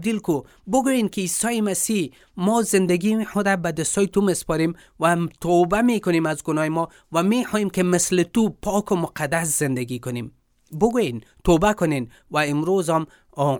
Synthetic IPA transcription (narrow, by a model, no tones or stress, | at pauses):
d̪ilko | bʊɡojenkɪisɔjɪmasih | mɔzɪnd̪aɡixʊd̪abad̪ɪst̪ɔjɪt̪umɪspɔɾem | wat̪ʰobamekʊnemazɡʊnɔjɪmɔ | wamexɔjemkemɪslɪt̪upʰɔkomʊqad̪as̬z̥ɪnd̪aɡikʊnem | bʊɡojen | t̪obakʊnen | waɪmɾozɔm